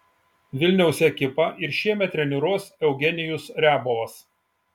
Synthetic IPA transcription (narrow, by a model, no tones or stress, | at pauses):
ʋʲɪlʲnʲɛʊsʲɛkʲɪpɐʔɪɾʃʲiɛmʲɛt̪ʲɾʲɛnʲɪɾoɔsɛʊɡʲɛnʲɪjʊsɾʲæːbɔʋɐs